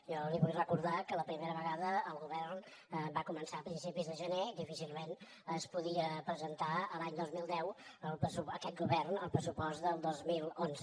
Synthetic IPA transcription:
ʒɔliβujrəkuɾðakələpɾimeɾəβəɣaðəːlˠɣuβɛrn | bakumənsapɾinsipizðəʒəned̪ifisilˠmen | əspuðiəpɾəzənt̪aəlaɲd̪ozmilˠd̪ɛwəlˠpəsuəkɛt̪̚ɡuβɛrnəlˠpɾəsupɔst̪d̪əlˠd̪ozmilˠonzə

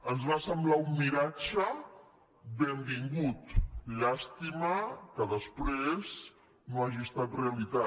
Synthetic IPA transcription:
ənzβasəmblaumːiɾat͡ʃə | bembiŋɡut̪ʎast̪iməkəðəspɾez | noaʒiəst̪at̪reəlit̪a

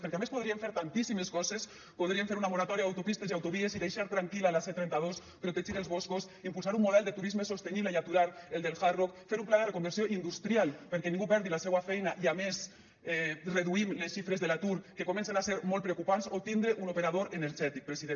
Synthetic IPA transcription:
feɾkeamespoð̞ɾieɱfeɾt̪ant̪isimeskɔzes | poð̞ɾieɱfeɾunamoɾat̪ɔɾjaawt̪opist̪eziawt̪oβieziðejʃaɾt̪ɾaŋkilalaset̪ɾɛnt̪að̞os | pɾot̪eʒiðelzβɔskos | impuls̬aɾumːoð̞ɛlˠd̪et̪uɾizmesost̪eniβleiat̪uɾaɾeld̪elxarokfeɾumplaðerekombeɾsjoʔind̪ust̪ɾjalpeɾkɛnĩŋɡupɛɾðilasɛwafɛjnaʔiames | ɛreðuimlesʃifɾezðelat̪uɾkekomẽnsenaseɾmolt̪pɾeokupansot̪ind̪ɾeʔunopeɾaðoɾeneɾʒɛt̪ik̚pɾesiðe

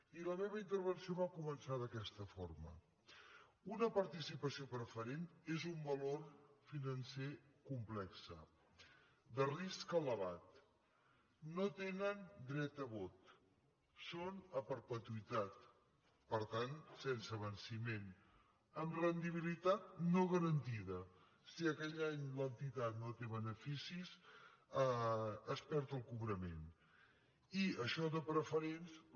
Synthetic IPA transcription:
iləmeβəint̪əɾβ̞ənsioβakumənsað̞əkɛst̪əfoɾmə̰ | unəpəɾt̪isipəsiopɾəfəɾent̪ezumbəloɾfinənsekumplɛksə̰ | d̪əriskələβat̪ | not̪enənd̪ɾɛt̪əβot̪ | sonəpəɾpət̪uit̪at̪ | pəɾt̪ansɛnsəβənsimen | əmrənd̪iβ̞ilit̪at̪̚noɣəɾənt̪iðə | siəkɛʎaɲlənt̪it̪at̪not̪eβənəfisisəəspɛɾt̪əlˠkuβɾəmḛn | iəʃɔðəpɾəfəɾens

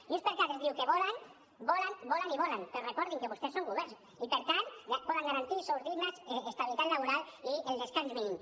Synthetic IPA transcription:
uspeɾkat̪ezðiwkeβɔlan | bɔlanbɔlaniβɔlaŋpeɾorekɔɾðiŋkeβust̪esːoŋɡuβɛɾs | ipeɾt̪anapɔðaŋɡaɾant̪isowzðiɣmazeest̪aβilit̪at̪laβuɾalield̪eskanzβiin

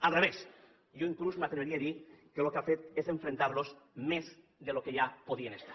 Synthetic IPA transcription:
alreβ̞es | ʝoiŋklusmat̪emeɾieðikelokafeese̞ɱfɾent̪aɾlo̞smez | d̪elokeʝapoðienest̪ḁɾ

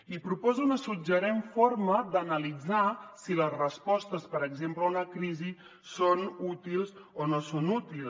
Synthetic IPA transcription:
ipɾupɔzuunəsud͡ʒəɾeɱforməd̪ənəlid͡zasiləzrəspɔst̪əspəɾəɡzempləunəkɾizi | sonut̪ilˠzonosonut̪il

